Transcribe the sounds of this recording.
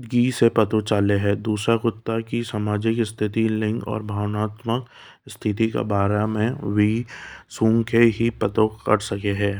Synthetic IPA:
ɡiːsepɐt̪ot͡ʃaːleɦɛːd̪uːsɾakʊt̪ːakisamaːd͡ʒɪkɪst̪ʰɪt̪ilɪ̃ŋɡɔ̰ːɾbʱaːʋnaːt̪mək | st̪ʰɪt̪ika̰baːɾamẽʋiːsũːŋkʰeɦipɐt̪okɐ̰ɽsɐkeɦɛː

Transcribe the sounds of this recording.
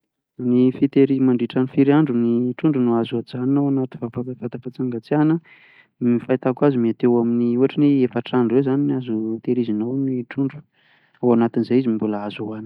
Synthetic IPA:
nifit̪eɾimaɳɖ͡ʐiʈ͡ʂanifiɾiaɳɖ͡ʐuniʈ͡ʂuɳɖ͡ʐunuazad͡zaninawanat̪ivafaavat̪apat͡saŋɡat͡sianə | mifajt̪akazumiat̪ewaminiuaʈ͡ʂiniefaʈ͡ʂaɳɖ͡ʐuewzaniniazut̪eɾizinawniʈ͡ʂuɳɖ͡ʐu̥ | awanat̪inzejizimimbuləazawanə̥

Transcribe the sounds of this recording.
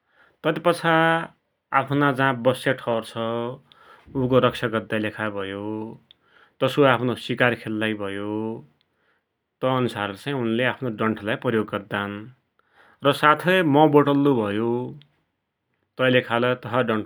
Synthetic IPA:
t̪ʌt̪ipʌt͡sʰa | apʰnad͡zãːbʌsjaʈʰʌwrt͡sʰʌ | uk̬oɾʌk̚sʰaɡʌrd̪alekʰabʱʌjo | t̪ʌsoapʰnosikarkʰelːajbʱʌjo | t̪ʌːnusart͡saj̃unleapʰnoɖʌɳʈʰlajprʌjoɡːʌrd̪an | rʌsat̪ʰʌjmʌboʈʌlːubʱʌjo | t̪ʌlekʰalʌt̪ʌɦʌɖʌɳʈʰ

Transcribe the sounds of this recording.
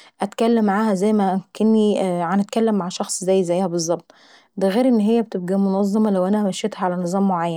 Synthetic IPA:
ʔæt̪kælːemːaʕaːhæzæjːmækenːiʕanæt̪̚kælːemːaʕʃɑxsˤzæjːzæjːhæbezˤːɑb̚t̪ˤ | d̪æɣeːɾʔenːɦejːæbet̪eb̚ɡæmonɑzˤːɑmɑlæwʔænæmæʃjet̪hæʕalænɨzˤɑːmːoʕajːæn

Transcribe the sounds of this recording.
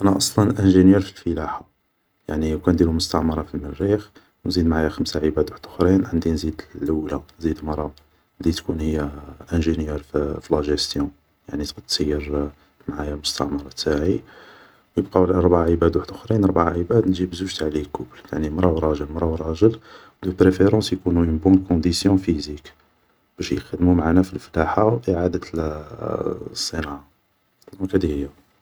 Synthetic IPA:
ʔænæʔɑsˤlɑnʔænʒənjæɾfilfəlaħa | ja̰ʕniwkænd̪iɾumʊst̪ɑʕmɑɾˤɑfilmərːix | wnzid̪mʕajaxəmsaʕəbæd̪waħd̪ʊxɾinʕənd̪inzid̪lːəwlanzid̪mɾˤɑ | lit̪kunhəjːæʔæ̃ʒənjæɾfflæʒəst̪jũ | jaʕnit̪qt̪sijːəɾ | maʕajæmʊst̪ɑ̰ʕmɑɾˤɑt̪aʕi | wjəb̚qɑwlʔɑɾˤbaʕʕəbæd̪waħəd̪ʔəxɾinɾˤbaʕʕəbæd̪nʒibzuʒt̪ʕlikʊblt̪aʕnimɾˤɑwɾˤɑʒəlmɾˤɑwɾˤɑʒəlwd̪upɾefeɾɑ̃sjkunumənbunkɔ̃d̪isjɔ̃fizik | b̥æʃjxəd̪mumʕanæfilflaħawʔiʕad̪ət̪ | sˤːənɑʕa | t̪ɑɑkhæd̪ihəjːæ

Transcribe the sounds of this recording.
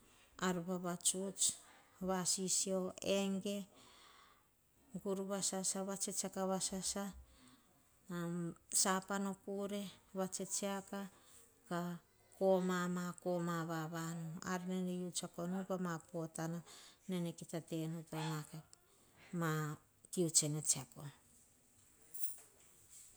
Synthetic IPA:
aɾuβaβat͡ʃut͡ʃβasisio̞eŋɡe̞ | ɡuɾuβasasaβat͡ʃet͡ʃakaβasasa | sapano̞kuɾe̞βat͡ʃet͡ʃeaka | ka | komamako̞maβaβanoa̰ɾinenejut͡ʃako̞nupamapo̞tananenekitate̞nupamaka | ma | kiut͡ʃenet͡ʃiako

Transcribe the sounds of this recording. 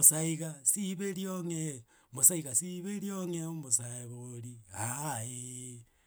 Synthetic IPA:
osaiɣasiβeɾjoŋe | mosaiɣasiβeɾjoŋeomosaeβoɾiae

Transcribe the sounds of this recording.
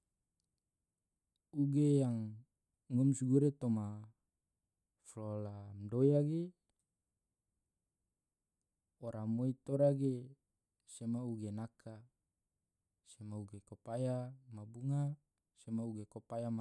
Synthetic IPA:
uɡejaŋː | ɔmsuɡuɾet̪oma | flolamdojaɡe | oɾamoit̪oɾaɡe | semauɡenakʰa | semauɡekopajamabuŋa | semauɡekopajama

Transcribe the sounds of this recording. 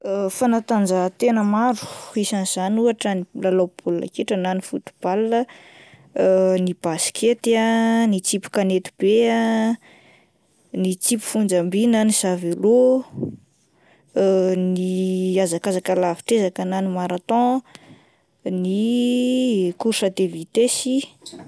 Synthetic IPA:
fanat̪and͡zat̪enəmaɾu̥isaniz̥anuaʈ͡ʂənilalawpʰulna̰keʈ͡ʂənanifut̪u̥b̥alːə | nib̥asi̥kʰet̪anit͡sipu̥kanet̪u̥b̥ea | nit͡sipu̥fund͡zambinənizavelo | niazakazakalafi̥ʈ͡ʂezakənanimaɾat̪ɔ̃ | ni | kuɾʃad̪evit̪esi

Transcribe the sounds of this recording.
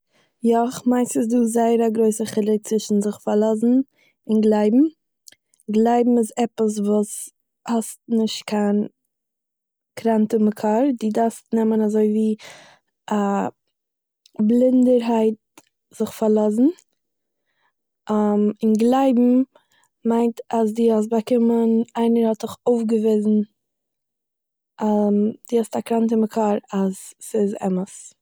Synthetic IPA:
jɔχmaɪnsɪsduːzaɪəɾaɡɾoɪsəχɪlˠɪt͡svɪʃn̩zɪχfaɾlˠɔzn̩ | ɪnɡlˠaɪbm̩ | ɡlˠaɪbm̩ɪzɛpəs̬vuːs | hɔstnɪʃtkʰan | kʰɾantəməkʰaɾdiːdastnɛmənazoɪviː | a | blˠɪndəɾɦaɪt̚ | z̥ɪχfaɾlˠɔzn̩ | amɪnɡlˠaɪbm̩ | maɪntas̬diɔs̬bakɪmənaɪnəɾhɔtɪχoʊfɡəvɪzn̩ | d̥ihɔstakɾantəməkʰaɾazɪzɛ̰məs

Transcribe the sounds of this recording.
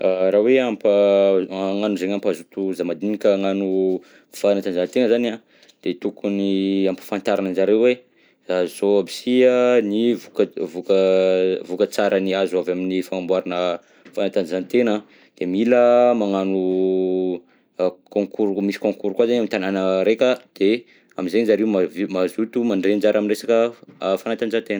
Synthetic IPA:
aɾaweampə | ŋanuzeɲampazut̪uzamad̪inikʲəŋanu | fanat̪anzant̪enəzana | d̪̥et̪ukuniampə̥fant̪aɾananzaɾewwe | zazzoabisiənivukəvukəvukət͡saɾʔəniazuavaminifaŋambwaɾanə | fanat̪anzant̪enə | d̪̥emiləmaŋanu | kõŋkuɾumisi̥kõŋkuɾukwazanamit̪ananəɾekəd̪̥e | aminzenzaɾeumamazut̪umanɖ͡ʐend͡ʒaɾʔaminresakəfanat̪anzant̪enə

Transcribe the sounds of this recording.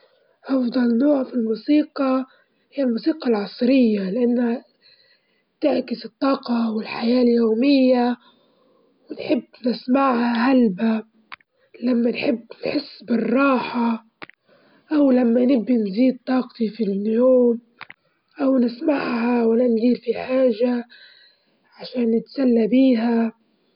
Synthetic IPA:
ʔɑfd̪ˤɑlnːoːʕfilmuːsiːqɑ | hɪjːalmuːsiːqɑlʕɑsˤɾɪjːalɪʔanːha | t̪ɪʕkɪsɨt̪ˤːɑːqɑwɪlħajaːljoːmɪjːa | wɪnħɪbːnɪsmaʕhahalba | lamːanħɪbːnħɪsːbɪrˤːɑːħa | ʔawlamːanɪbːinziːd̪̚t̪ˤːɑːqt̪ifiljoːm | ʔawnɪsmaʕhawananziːlfiħaːʒa | ʕaʃaːnːɪt̪salːabiːɦa

